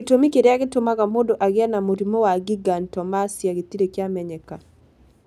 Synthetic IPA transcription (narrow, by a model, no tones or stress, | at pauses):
tomikeɾeaɡɪtomaɡamodoʔaɡɪanamoɾimowaɡiɡantɔmasjaɡɪt̪iɾekjamɛɲɛka